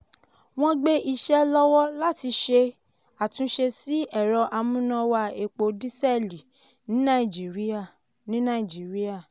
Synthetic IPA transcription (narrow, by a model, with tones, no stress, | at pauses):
w̃ɔ̃˦ɡ͡be˦ʔi˧ʃɛ˦lɔ˦wɔ˦la˦ti˧ʃe˧ | a˨tũ˧˦ʃe˧si˦ɛ˦˨ɾɔ˧ʔa˧mũ˦nã˧wa˧e˧k͡po˧di˦sɛ˦˨li˨ | nĩ˨˦nã˦i˨d͡ʒi˨ɾi˦a˨ | nĩ˦nã˦˨i˨d͡ʒi˨˦ɾi˦a˦˨